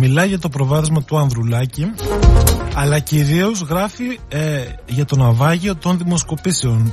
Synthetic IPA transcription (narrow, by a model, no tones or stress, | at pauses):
milɐʝɐt̪o̞pɾo̞vɐðizmɐt̪uɐnðɾulɐci | ɐlɐciɾio̞zɣɾɐfi | ʝɐt̪o̞nɐvɐʝio̞t̪o̞nðimo̞sko̞pise̞o̞n